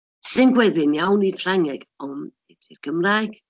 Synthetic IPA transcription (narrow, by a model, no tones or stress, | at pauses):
sɪnɡwɛðɨnjawnid̥fr̥aŋɛɡ̥ɔnɛd̥ʰirkʰəmraɡ̥